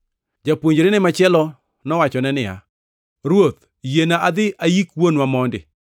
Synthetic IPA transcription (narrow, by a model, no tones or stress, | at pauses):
d͡ʒapwoɲd͡ʒɾɪnɪmat͡ʃɪɛlɔ | nɔwat͡ʃɔnɛnɪja̰ | ɾwot̪ | jenaʔad̪ɪʔajikwonwamɔndɪ̰